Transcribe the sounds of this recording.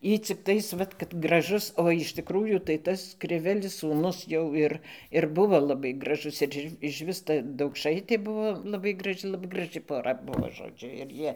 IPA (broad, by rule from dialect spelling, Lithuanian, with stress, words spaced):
ˈiː t͡sʲɪkˈtɐɪs ˈʋɐt kɐt ɡrɐˈʒʊs oː ɪʃ tʲɪˈkruːjuː tɐɪ ˈtɐs krʲɪˈʋʲæːlʲɪs suːˈnʊs jɛʊ ˈɪr ɪr bʊˈʋoː lˠɐˈbɐɪ ɡrɐˈʒʊs ɪr ˈɪ ɪʃʲˈʋʲɪs ˈtɐ dɐʊkˈʃɐɪtʲeː ˈbʊʋoː lˠɐˈbɐɪ ɡrɐˈʒʲɪ lˠɐˈbɐɪ ɡrɐˈʒɨ poːˈrɐ ˈbʊʋoː ʒoːˈd͡ʒʲʊ ɪr ˈjiɛ